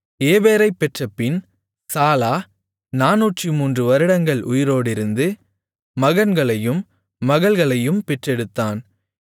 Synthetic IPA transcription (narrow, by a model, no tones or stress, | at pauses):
eːʋeːɾɐɪpːɛʈrɐpːɪn | saːlaː | naːnuːʈrimuːndrɯʋɐɾɯɽɐŋɡɐɭʔʊjɪɾoːɽɪɾɯnd̪ɯ | mɐɣɐnɡɐɭɐjɯmː | ɐɣɐɭɣɐɭɐjɯmpɛʈrɛɽɯt̪ːaːn